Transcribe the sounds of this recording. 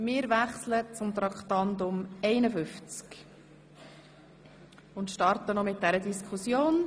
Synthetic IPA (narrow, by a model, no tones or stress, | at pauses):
mɪːɾvæχslət͡sʊmt̪ɾɑkt̪ɑnd̪ʊmɛɪnəfʏft͡sk | ʊnt̪ʃtɑɾtənɔmɪt̚d̥æɾədiskʰusjoːn